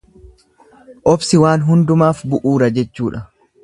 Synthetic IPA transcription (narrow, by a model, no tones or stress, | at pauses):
ʔɔbsɪwaːnɦʊnd̪ʊmaːfbʊʔuːɾɐd͡ʒɛt͡ʃːuːᶑɐ